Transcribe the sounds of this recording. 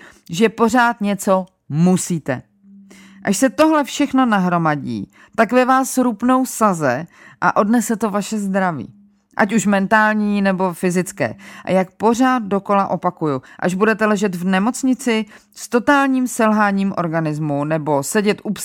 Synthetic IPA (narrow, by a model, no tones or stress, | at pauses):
ʒɛpo̞r̝aːt̪ɲɛt͡so̞ | musiːt̪ɛ̰ | ʔaʃsɛt̪o̞ɦlɛfʃɛxno̞naɦɾo̞maɟḭː | t̪akvɛvaːsɾupno̞wsazɛ | ʔa̰ʔo̞dnɛsɛt̪o̞vaʃɛzd̪ɾavḭː | ʔa̰cuʃmɛnt̪aːlɲiːnɛbo̞fɪzɪt͡skɛ̰ːʔa̰jak̚po̞r̝aːt̪̚do̞ko̞laʔo̞pakujuʔa̰ʒbudɛt̪ɛlɛʒɛt̪vnɛmo̞t͡sɲɪt͡sɪ | st̪o̞t̪aːlɲiːmsɛlɦaːɲiːmʔo̞̰ɾɡanɪzmunɛbo̞sɛɟɛt̪ʔup